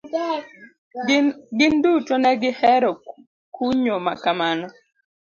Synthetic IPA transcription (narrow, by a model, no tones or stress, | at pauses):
ɡɪndut͡ʃonɛɡɪhɛɾɔ | kʰuɲomakamanɔ